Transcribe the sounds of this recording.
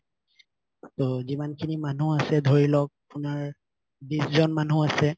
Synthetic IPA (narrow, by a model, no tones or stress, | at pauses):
tozimankʰinimanuasɛdʱoɹilɔk̚apʊnaɹ | biszɔnmanũasɛ